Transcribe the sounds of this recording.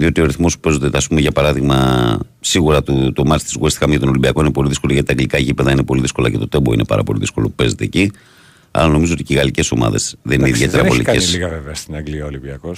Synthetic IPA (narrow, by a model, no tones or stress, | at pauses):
ðio̞t̪io̞ɾiθmo̞su̥pe̞zot̪eɐspumeʝɐpɐɾɐðiɣmɐ | siɣuɾɐt̪ut̪o̞mɐt̪st̪izɣuest̪ikɐmʝɐt̪o̞nolimbiɐko̞inepo̞liðiskoloʝɐt̪it̪ɐŋɡlikɐʝipeðɐinepo̞liðisko̞lɐce̞t̪o̞t̪e̞bo̞ḭne̞pɐ̰ɾɐ̰po̞̰lḭðisko̞lopupe̞ze̞t̪e̞ːci | ɐ̰lɐno̞mizoo̞t̪iciɣɐlice̞so̞̰mɐ̰ðe̞̰zðe̞nineiðie̞eɾɐoliesliɣɐveveɐst̪inɐŋɡliɐolibiɐkos